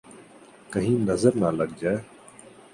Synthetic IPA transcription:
kəɦĩːnəzəɾnaləɡ̚d͡ʒaːe

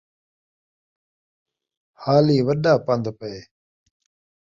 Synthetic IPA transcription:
haːliːʋəɗaːpənd̪pəeː

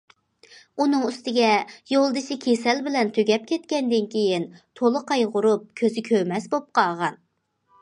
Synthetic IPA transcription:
unɨŋyst̪ɪɡʲɛjolˠd̪ɨʃɪkʲʰesɛlbɪlɛnt̪ʰøɡʲɛp̚kʲʰɛt̪kʲɛnd̪ɪnkʲʰejint̪ʰolˠɨqʰɑjʁʊɾup̚kʲʰøzɪkʲʰømɛsbop̚qʰɑʁɑn

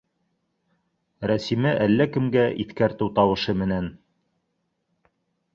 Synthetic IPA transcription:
ɾæsimɘʔælːækɘ̆mɡæʔiθkæɾt̪ɘwt̪ɑwɤ̆ʃɤmɘ̆næn

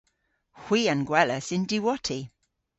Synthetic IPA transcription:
hw̥iːə̃nɡwɛləsɪ̃ndiwɔtʰi

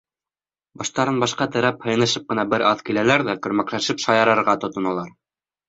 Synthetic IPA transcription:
bɑʃt̪ɑɾɤnbɑʃqɑt̪ɘ̆ɾæphɤ̆jnɤ̆ʃɤp̚qɤ̆nɑbɘɾʔɑðkilælæɾðækɵ̆ɾmæklæʃɘpʃɑjɑ̆ɾɤ̆ɾʁɑt̪ŏt̪ŏnɑlˠɑɾ

